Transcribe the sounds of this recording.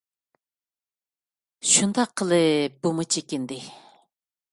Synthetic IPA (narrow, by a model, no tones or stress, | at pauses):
ʃund̪ɑqʰːəlˠɨbumɨt͡ʃʰekʲind̪ɪ